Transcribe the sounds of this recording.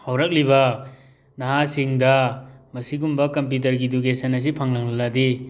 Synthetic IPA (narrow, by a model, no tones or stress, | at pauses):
hawɾɐk̚libɐ | naɦasiŋdɐmɐsiɡumbɐkɐmp̬jut̬ɐɾɡiduɡesɐnɐs̬ipʰɐŋlaŋlaladi